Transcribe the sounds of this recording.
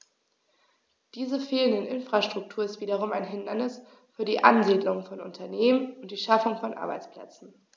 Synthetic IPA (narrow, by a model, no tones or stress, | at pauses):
d̥iːzəfeːlənɪnʔɪnfʁ̥aʃtʁ̥ʊk̚tʰuːɐɪstv̥iːdɐʁʊmaɪnɦɪndɐnɪs | fyːɐɾiːʔanziːdlʊŋfɔnʊ̰ntʰɐneːmənʊnt̚d̥iːʃafʊŋfɔnʔa̰ɐba̰ɪt͡splɛ̰t͡sn̩